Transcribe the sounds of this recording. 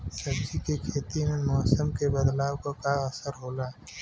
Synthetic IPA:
sɐbt͡ʃikekʰeːt̪imemɔːsəmkebəd̪laːwkakaɐsəɾɦoːlaː

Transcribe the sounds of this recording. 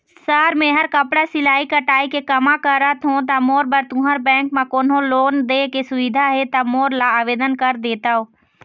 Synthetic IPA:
saːɾmẽɦəɾkəpɽasɪlaːikəʈaːikekɐmãkəɾat̪ʰõt̪̬amoːɾbəɾt̪ʊ̃ɦəɾbɛ̃ːkmãkoːnɦõloːnd̪ekesʊʋɪd̪ʱaɦet̪amoːɾlaaːʋeːd̪ənkəɾd̪eːt̪aoː

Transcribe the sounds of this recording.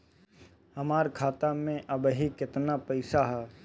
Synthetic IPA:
hɐmaːɾkʰaːt̪amẽʔɐbɦikɪt̪napɛɪsaɦɛː

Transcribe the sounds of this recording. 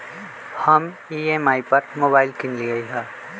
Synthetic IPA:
hɐm | iːemaːipɐɾmoːbaːɪlkɪnliɡɐiɦɛ̃ː

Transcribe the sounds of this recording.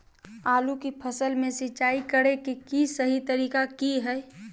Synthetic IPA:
aːlukipʰəsəlmẽsɪt͡ʃaːikəɽekikisəɦit̪əɾiːkakiɦɛ

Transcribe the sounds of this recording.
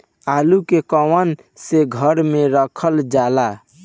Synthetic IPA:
alukekɔwən | seɡʱəɾmeɾəkʰəld͡ʒala

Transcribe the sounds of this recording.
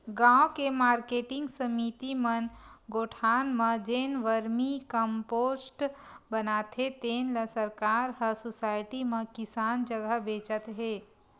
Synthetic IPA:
ɡãokemaːɾkeːʈɪ̃ŋɡsəmit̪imənɡoːʈʰaːnmə̃d͡ʒeːnʋəɾmikəmpoːsʈbənaːt̪et̪eːnləsəɾkaːɾɦəsosaːɪʈimẽkɪsaːnd͡ʒəɡəɦbeːt͡ʃət̪ɦeː

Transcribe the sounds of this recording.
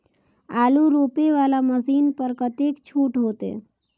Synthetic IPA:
aːluɾoːpeʋaːlaməsiːnpəɾkət̪eːkt͡ʃʰuːʈɦoːt̪ḛː

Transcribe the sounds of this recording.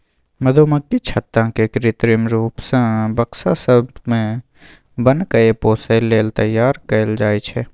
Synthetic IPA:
mɐd̪ʱoːməkːit͡ʃʰət̪ːãkekɾɪt̪ɾɪmɾuːpsə̃bɐksasəbmẽ | bənkɐepoːseleːlt̪ɐjːaːɾkəld͡ʒaːit͡ʃʰɛː

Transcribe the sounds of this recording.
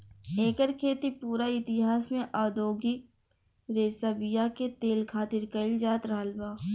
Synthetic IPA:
eːkəɾkʰeːt̪ipuːɾaɪt̪ɪɦaːsmẽʔaːd̪oːɡi | ɾeːsabɪjaket̪eːlkʰaːt̪ɪɾkɐɪld͡ʒaːt̪ɾɐɦəlbaː

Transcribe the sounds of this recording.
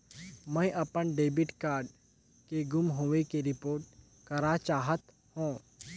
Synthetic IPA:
mɛ̃ːʔɐpənɖeːbɪʈkaːɾɖ | keɡʊmɦoːʋekeɾɪpoːɾʈ̚ | kɐɾat͡ʃaːɦət̪ | hõː

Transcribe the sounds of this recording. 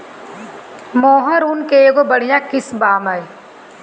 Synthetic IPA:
moːɦɐɾunkeːɡobɐɽijãkɪsbaːmaj

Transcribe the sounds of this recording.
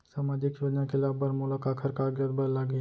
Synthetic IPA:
saːmaːd͡ʒɪkʃoːd͡ʒnakʰɪlaːbɐɾmʊlakaːkʰəɾkaːɡjət̪̚bɐɾlaɡi

